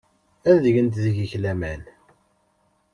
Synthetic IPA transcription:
ænðəʝənt̪ðiʝəçlæmæn

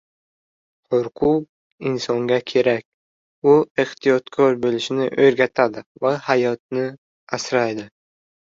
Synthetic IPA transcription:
hʊɾqʰʊq̚ | ɪnsɒŋɡʲakʲʰe̞ɾakʲ | ʊeht̪ʰijɒt̪kʰɒɾbolɪʃɪnɪʔɵɾɡʲat̪ʰad̪ɪvahajɒt̪̚nɪ | asɾajd̪ɪ

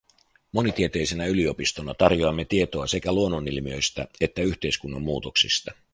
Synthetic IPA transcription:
mo̞nit̪iet̪e̞jse̞næylio̞pist̪o̞nɑt̪ɑrjoɑmːe̞t̪ie̞t̪o̞ɑse̞kæluonːonilmiø̞jst̪æe̞t̪ːæyçt̪e̞jskunːɑ̰mːuːt̪oksist̪ɑ

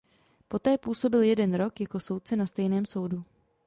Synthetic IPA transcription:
po̞t̪ɛːpuːso̞bɪljɛdɛnɾo̞kjako̞so̞wt̪̚t͡sɛnast̪ɛjnɛːmso̞wdu

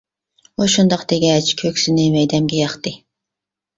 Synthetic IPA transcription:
uʃund̪ɑqd̪eɡʲɛt͡ʃkʲʰøkʲsɪnɪmɛjd̪ɛmɡʲɛjɑχt̪ɨ

